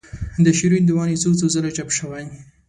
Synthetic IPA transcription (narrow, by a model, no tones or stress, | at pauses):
d̪əʃiɾund̪əwɑnit͡sot͡sozəlat͡ʃapʃəwaj